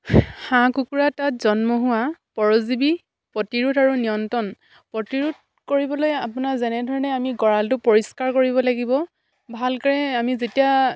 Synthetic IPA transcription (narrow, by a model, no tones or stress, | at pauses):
xãkukuɹatatzɔnmɔɦʊwapɔɹozibi | pɹɔtiɹutaɹunijɔntɔn | pɹɔtiɹut̚ | koɹibɔlojapʊnazɛnɛdʱɔɹɔnɛamiɡɔɹaltʊpoɹiskaɹkoɹibɔlaɡibɔ | bʱalkaɹɛamizetija